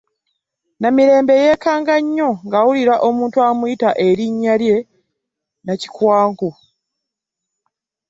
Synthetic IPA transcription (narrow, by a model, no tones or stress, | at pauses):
namiɾe̞ːmbe̞je̞kaːŋɡaɲːo̞ŋɡawuliɾaʔo̞muːntuamujitaʔe̞ɾiɲːalje̞ | naci̥kwaːŋɡo